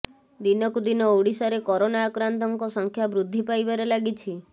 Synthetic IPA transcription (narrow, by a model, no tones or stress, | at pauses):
d̪inɔkud̪inɔoɽisaɾekɔɾonaːkɾant̪ɔŋkɔsɔŋkʰjabɾud̪ʱːipajbaɾelaɡit͡ʃʰi